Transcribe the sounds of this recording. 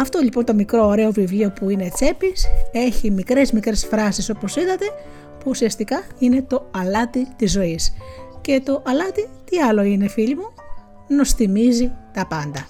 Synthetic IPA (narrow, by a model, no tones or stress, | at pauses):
ɐft̪oʎipo̞nt̪o̞mikɾo̞ːɾe̞o̞vivlio̞puine̞t͡se̞pise̞çimikɾe̞zmikɾe̞sfɾɐsiso̞po̞siðɐt̪e̞ | puːsiɐst̪ikɐine̞t̪o̞ɐlɐt̪it̪izːo̞isce̞t̪o̞ʔɐlɐt̪it̪iɐlo̞ine̞fiʎimu | no̞sθimizit̪ɐpɐnd̪ɐ